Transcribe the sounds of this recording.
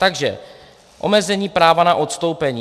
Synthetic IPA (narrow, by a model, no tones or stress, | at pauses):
t̪aɡʒɛ̰ | ʔo̞̰mɛzɛɲiːpɾaːvanaʔot̪st̪o̞wpɛɲi